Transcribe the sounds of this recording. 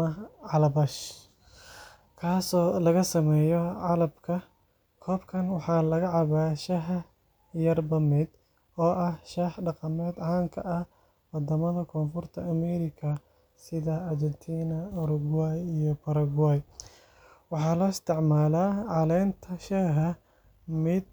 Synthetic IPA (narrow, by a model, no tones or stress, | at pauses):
ɐʕɑlɐbɐʃ | kʰaːsɔːlɐɣɐsɐmɛːjɔʕɑlɐbkʰɐ | kʰɔːbkʰɐnwɑħɑːlɐɣɐʕɑβaːʃɐɦɐ | jɐrbɐmɛd̪ | ɔːʔɐhʃɛħɖɑqɑmɛːd̪ʕɑːŋkʰɐ̰ʔɐh | wɑd̪ɐmɐðɐkʰɔːnfʊrt̪ʰɐːmɛɾɪkʰɐ | sɪðɐːrd͡ʒɛnt̪ʰiːnɐʊɾʊɡwajijɔpʰɐɾɐɣwaːj | wɑħɑːlɔːɪst̪ʰɪʕmaːlaːʕɑlɛjnt̪ʰɐʃɛːɦɐ | mɪd̪̚